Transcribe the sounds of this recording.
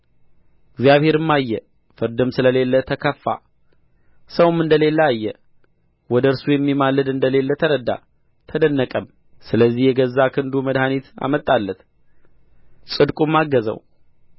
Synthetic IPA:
ɪɡzjaβhe̞ɾɨmːajːɛ | fɨɾd̪ɨmsɨləle̞lːət̪ʰəkʰəfːa̰ | səwmɨnd̪əle̞lːəajːɛ | wɔd̪əɨɾsujɛmːimalːɨd̪ɨnd̪əle̞lːət̪ʰəɾəd̪a̰ | t̪ʰəd̪ənːəkʼəm | sɨləzːihjɛɡəzːakʰɨnd̪uməd̪hanit̪a̰mət̪ʼːalːət̪ | sʼɨd̪kʼumːaɡːəzə̰w

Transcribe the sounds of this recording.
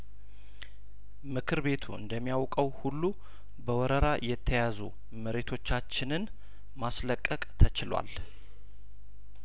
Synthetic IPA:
mɨkʰɨɾbe̞t̪ʰṵɨ̰nd̪əmːijawkʼəwhulːu | bəwɔɾəɾajɛt̪ʰːəjazu | məɾe̞t̪ʰo̞t͡ʃːat͡ʃːɪnɨn | masləkʼːəkʼt̪ʰət͡ʃɪlwa̰l

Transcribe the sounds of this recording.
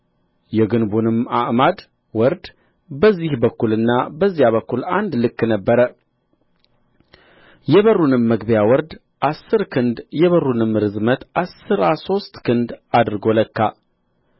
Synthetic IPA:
jɛɡɨnbunɨmaʔmad̪ | wɔɾd̪ | bəzːihbəkːulɨnːabəzːijaβəkːuland̪lɨkːnəbːəɾə | jɛβərːunɨmːəɡbjawɔɾd̪ | ʔasːɨɾkʰɨnd̪jɛβərunɨmːɨɾɨzmət̪asɨɾaso̞st̪kʰɨnd̪ad̪ɾɡo̞ləkːa

